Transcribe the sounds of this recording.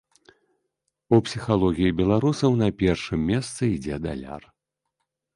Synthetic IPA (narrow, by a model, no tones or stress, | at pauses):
upsʲixalˠɔɣʲijibʲɛlˠaɾusɐwnɐpʲɛrʂɨmʲːɛst̪sɨid͡zʲɛd̪a̰lʲa̰r